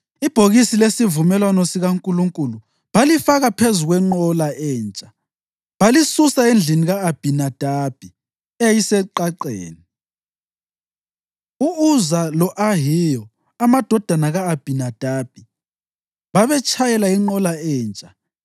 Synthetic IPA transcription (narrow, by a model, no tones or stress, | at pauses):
ib̥ʱoɣisilesivumɛlwanɔsiɣaŋkʼuluŋkʼulu | βalifaɣapʰezuɣwɛŋ͡ǃɔlaʔɛːnt͡ʃʼḁ | βalisusaend͡ɮʱiniɣaːb̥ʱinad̥ʱab̥ʱi | ejisɛǃaǃḛːni | uuzalɔʔaɦijɔ | amad̥ʱɔd̥ʱanaɣaːb̥ʱinad̥ʱab̥ʱi | βaβɛt͡ʃʼʰajɛlaiŋ͡ǃɔlaɛːnt͡ʃʼḁ